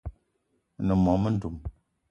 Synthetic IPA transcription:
nə˨mɔ˨mə˦n̩˦du˨m

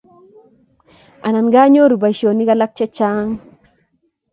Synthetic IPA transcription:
a˨na˨nɡa˦ɲo˦ɾu˨ba˨ʃo˨ni˦ka˦la˦k̚t͡ʃɛ˦t͡ʃa˦ŋ

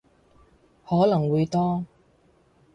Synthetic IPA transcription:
hɔː˨˥lɐ˨˩ŋwuː˨˧jt̪ɔː˥

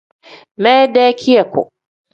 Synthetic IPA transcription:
ma˦daː˦kʲʰɪ˦ja˨kʷo̰˨

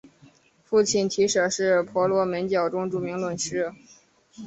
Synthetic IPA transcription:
fu˥˧t͡ɕʰi˥˩nt̪ʰi˧˥ʂɤ˨˩ʂɻ̩˥˩pʰwɔ˧˥lwɔ˧˥mə˧˥nt͡ɕjɑ˨˩ʊʈ͡ʂʊ˥ŋʈ͡ʂu˨˩mi˧˥ŋlwə˨˩nʂɻ̩˥

